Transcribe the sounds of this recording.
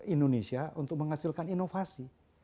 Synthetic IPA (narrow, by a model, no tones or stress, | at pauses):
indonesiaunt̪ʊk̚məŋɦasilkaninofasi